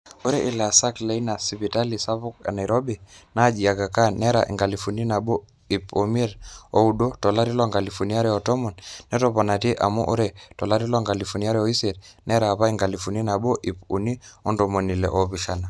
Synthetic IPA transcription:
o˦ɾɛ˦ʔi˨la˨sa˦kle˨˦i˦na˨si˨pi˨ta˦li˨sa˦βu˦ka̰˨na˨iɾɔ˦bina˦d͡ʒi˨a˨ka˨ka˦nɛ˦ɾa˨ʔḭ˨ŋɡa˨lifu˨ni˦na˨bo˦ | ipɔ˨m˦ɛ˦ɾɔ˨u˨do˦tɔ˨la˦ɾi˦lɔ˦ŋɡa˨li˨fu˨ni˦a˦ɾɛɔ˨tɔ˦mɔ˨nːɛ˦tɔpɔ˨na˨ti˦ʔa̰˨mṵ˦ʔo˦ɾɛtɔ˨la˦ɾi˦lɔ˦ŋɡa˨li˨fu˨ni˦a˦ɾɛɔ˦i˦sɛ˨ɾnɛ˦ɾaː˨pa˦i˦ŋɡa˨lifu˨ni˦na˨bo˦ʔi˨pu˨ni˦ɔ˦ndɔ˨mo˨ni˨lɛ̰˨ʔɔ˨piʃa˨na˨

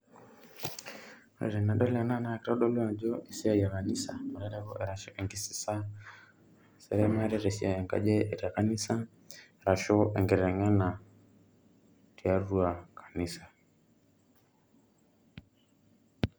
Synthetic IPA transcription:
ɾɛ̰˨ɾɛ˨na˨ɗɔ˦la˨na˦na˨˦˨kɾa˦ɗɔ˦lu˦a˨d͡ʒɔ˦ʔe˨si˦a˦˨ja˨ka˨ni˦sa˨ma˨ɾɛ˦ɾɛ˦βɔ̰˦ʔɛ˨ɾa˨ʃɔ˦ʔɛ˨ŋɡi˦si̥˨sa˦ | sɛ̰˨ɾɛ˦ma˦ɾɛ˦ɾɛ˨si˦a˨ja˨ŋɡa̰˨d͡ʒɛ˦˨ɾa˨ka˦ni˦sa˦ | e˨ɾa˨ʃɔ˦ɛ˨ŋɡɛ˨ɾɾɛ˨ŋa˦na˨ | ɾi˨a˦ɾu˦a˨kʰḁ˨ni˦sa˨

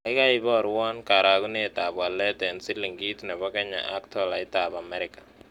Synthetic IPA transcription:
a˨ɪ˦ka˦ɪ˦bɔ˦˨ɾwɔ˦nka˨ɾa˨ku˦ne˦˨ta˨bwa˨lɛ˦tɛ˨nsi˦li˨ŋɡi˦tnɛ˨bɔ˦kɛ˦ɲa̰ʔa˦ktɔ˦la˨ɪ˦ta˨ba˨mɛɾɪkḁ˨

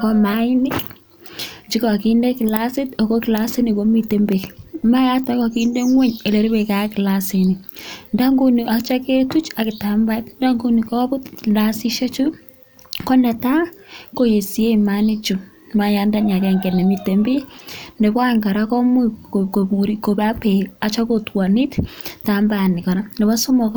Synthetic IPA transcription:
kɔ˦ma˦ɪ˦nɪ˦k | t͡ʃi˦kɔ˨ki˦nde˦kɪ˨la˦sɪ˦to˨ko˦ki˨la˦si˦ni˨ko˦mi˦te˦mbe˨ma˦ja˦ta˦kɔ˨ki˦nde˦ŋwe˦ɲe˨le˨ɾi˦be˨ka˨˦kɪ˨la˨se˨ni˨nda˦ŋɡu˦ni˨ʔa˨t͡ʃa˦ke˦tu˦t͡ʃa˨kɪ˨ta˨mba˦tnda˦ŋɡu˦ni˨kɔ˦bʊ˦tla˦sɪ˦ʃe˦t͡ʃu˦ | kɔ˦nɛ˨ta˦ko˦je˨si˨e˦imani˦t͡ʃu˨ | ma˦ja˨nda˦ɲa˨kɛ˨ŋɡɛ˨nɛ˨mi˦te˨mbe˦ndɛ˨ba˦˨ŋka˨ɾa˦kɔ˦mu˦ko˨mu˨ɾi˦ko˨ba˦pe˨a˨t͡ʃa˦kotwa˨ni˦ttambani˨kɔ˨na˦nɛ˨ba˦su˦mɔ˨k

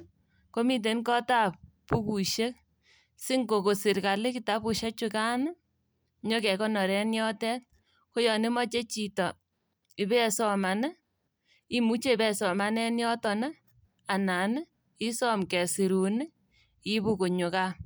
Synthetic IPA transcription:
ko˦mi˦t̬e˨nkɔ˦ta˦˨p̚pu˦ku˨ʃe˦k | sɪ˦ŋɡo˨ko˨sɪ˨ɾka˨lɪ˦ki˨ta˨˦pu˨ʃe˦t͡ʃʊ˧ka˦n˦ | ɲɔ˦kɛ˨kɔ˦nɔ˨ɾɛ˦njɔ˦tɛ˦t̚ | ko˦jɔ˨nɪ˦mɔ˦t͡ʃe˦t͡ʃi˨tɔ˨ | i˨bɛ˦sɔ˨ma˨n˦ | i˦mu˦t͡ʃe˦˨bɛ˨sɔ˨ma˦nɛ˦njɔ˦tɔ˨nɛ˦ | a˨na˨n˦ | i˦sɔ˦mkɛ˨si˨ɾu˨nɪ˦ | i˦bu˦ko˨ɲo˨ka˦

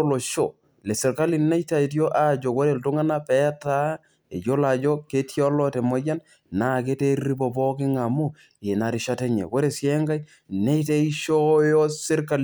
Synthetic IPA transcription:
lo˨ʃo˨ | le˨sɛ˨ɾka˦li˨na˦jta˨i˨t̬jo˦ʔa˨d͡ʒo˨kwɔ˦ɾe˦˨ltu˦ŋa˦na˦pɛ˦ta˦ | ḛ˨d͡ʒo˦la˨d͡ʒo˦ke˦tjo˦lɔ˦te˨mo˦d͡ʒa˦n | na˨k̬e˦te˦ɾi˦bo˨bɔ˦kɪ˦ŋa˨mu˦ | e˨na˨ɾi˨ʃa˦te˦ɲḛ˨wɔ˦ɾe˨sje˦ŋɡa˦j | ne˦jte˦i˦ʃo˦jo˦sɪ˦ɾka˦l

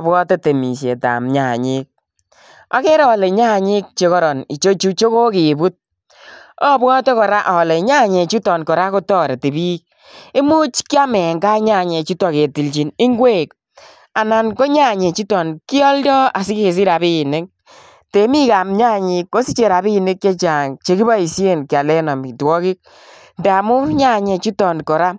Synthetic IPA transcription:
bwɔ˦te˦te˨mi˨ʃje˨ta̰˨mɲa˨ɲi˦k̚ | a̰˦ke˦ɾɔ˨le˨ɲa˦˨ɲi˦k̚t͡ʃe˨˦kɔ˦ɾɔ˨ni˨t͡ʃo˦t͡ʃu˦t͡ʃo˦ko˦kɪ˨bu˦t̚ | ɔ˦bwɔ˦tɔ˦kɔ˨ɾa˦ʔɔ˨le˨ɲa˦ɲe˨t͡ʃu˦tɔ˨nkɔ˨ɾa˦ko˦tɔː˦ɾe˨te˨bi˦k̚ | ɪ˦mu˦t͡ʃki˦a˦mɛ˨ŋɡa˦ɲa˦˨ɲe˨t͡ʃu˦tɔ˨ke˨ti˨lt͡ʃi˨nɪ˦ŋɡwe˦˨k | a˨na˨nko˦ɲa˦˨ɲe˨t͡ʃi˦tɔ˨nki˦ɔ˦ldɔ˦a˨sɪ˦ke˨s̬i˦ɾa˨βi˦˨ne˦k̚ | te˨˦mi˦ka˨mɲa˦ɲi˨ko˦si˦t͡ʃe˨ɾa˨bi˦˨ne˦kja˦t͡ʃa˨ŋt͡ʃe˦ki˦ba˦i˨sje˦nka˨lɛ˦nɔ˨mi˨twɔ˦kɪ˦k̚ | nda˨mʊ˦ɲa˦˨ɲe˨t͡ʃu˦tɔ˨nkɔ˨ɾa˦

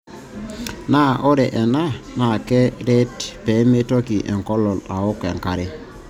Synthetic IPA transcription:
na˦ʔɔ˦ɾɛ˨ʔɛ˨na˦na˨kɛ˦ɾɛ˦tpɛ˨˦me˦tɔ˦ki˨ʔɛ̰˨ŋkɔ˦lɔ˨la˨ɔ˦kɛ˨ŋka˨ɾɛ˦

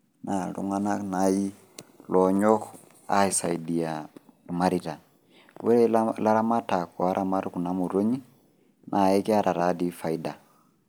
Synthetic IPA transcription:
na˨lṵ˨ŋa˦na˦na˦ji˦ | lɔ˨ɲɔ˦k | a̰˦i˨sa˨i˨di˨a | lu˨ma˦ɾita˨ | we˦ɾɛ˦lla˦ɾa˦ma˦ta˨kɔ˨a˦ɾʔa˦ma˦ɾu˦ku˨na˦mu˨ɾo˦ɲi˦ | nʔa˨ɛ˦ki˦a˦ɾʔa˨ɾa˦di˦fa˨ida˨

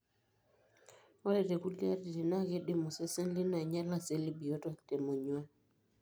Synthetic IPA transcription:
ɔ˦ɾɛ˨ɾɛ˨ku˦li˦a˦ɾi˨ɾi˨na˦˨ɣɛ˦ɗi˦mɔ˨sɛ˦sɛ˦n˦li˦na˨ɲa˦la˦sɛ˨˦li˦bi˨ɔ˦tɔ˦tɛ˨mɔ˨ɲwa˦

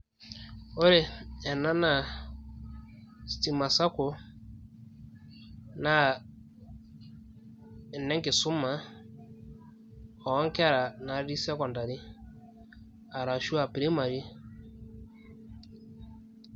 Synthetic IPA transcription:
o˦ɾe˨ɛ˨na˦na˨ | sti˨ma˨sa˦kʊ˨ | na˦ | ɛ˨nɛ˦kɪ˨sʊ˦ma˨˦ | ɔ˨˦ŋka˦˨ɾa˨na˨ɾɾi˦sa˦kɔ˨nda˨ɾi˦ | a˨ɾa˨ʃu˦a˨pɾi˦ma˨ɾi˦

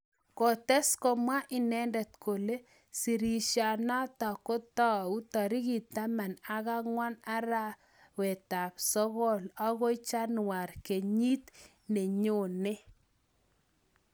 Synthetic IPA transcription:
kɔ˨tɛ˦skɔ˨mwa˦ʔɪ˨nɛ˦ndɛ˨t̪kʰo˨le˦ | si˨ɾi˨ʃja˨na˦ta˨kɔ˦ta˦u˦ta˨ɾi˦ɣi˨ta˦ma˨na˦ɣa˦ŋwa˦na˦ɾa˦ | wɛ˨ta˨psɔ˦ɣɔ˦la˦ɣɔ˦t͡ʃa˦nwa˨rke˨ɲi˦t̪ | ne˨ɲo˦˨ne˦

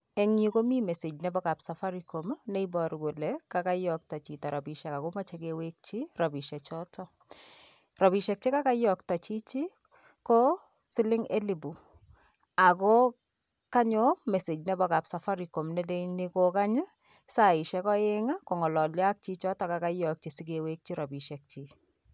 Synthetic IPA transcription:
ɛ˦ŋɲi˦ko˦mi˦mɛ˨se˨d͡ʒnɛbɔka˨psafa˦ɾiko˨mnɛ˦ibɔɾɡo˨lɛkaka˦jɔ˨k̚tɔ˨t͡ʃi˨tɔ˨ɾa˨bi˨ʃɛ˨ka˨koma˦t͡ʃɛkewek̚t͡ʃirɔbi˨ʃɛ˨t͡ʃɔ˦tɔ | rɔ˨bi˨ʃɛk̚t͡ʃi˦ka˦ka˦jɔ˨k̚tɔ˨t͡ʃi˦t͡ʃi˦ | kɔ˦ | sɪ˦lɪ˦ŋe˦li˨bu˨ | a˨kɔ˦ | ka˦ɲɔ˦mɛ˨se˨d͡ʒnɛ˦bɔ˨ka˨psa˨fa˦ɾiko˨mnɛ˦de˦ni˦koka˦ɲɨ˦ | saɪ˨ʃɛ˦kɔ˦e˦ŋa˦ko˨ŋɔ˨lɔ˨lja˦k̚t͡ʃi˦t͡ʃɔ˦tɔka˨ka˦jɔ˨k̚t͡ʃi˨sikewek̚t͡ʃi˦ɾɔ˨bi˨ʃɛ˨k̚t͡ʃi

